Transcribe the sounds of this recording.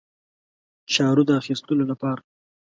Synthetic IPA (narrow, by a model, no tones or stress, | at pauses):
t͡ʃɑɾud̪əaxist̪əlolapɑɾa